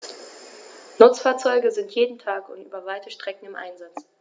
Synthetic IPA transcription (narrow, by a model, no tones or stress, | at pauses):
nʊt͡sfaːɐt͡sɔʏɡəzɪntʰjeːdn̩tʰaːkʊntʔy̰ːbɐvaɪtʰəʃtʁ̥ɛkŋ̩ɪmʔa̰ɪnzat͡s